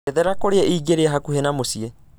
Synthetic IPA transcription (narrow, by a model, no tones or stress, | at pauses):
ɛðɛɾakoɾeɛʔiːɡeɾeaɦakuhenamosiɛ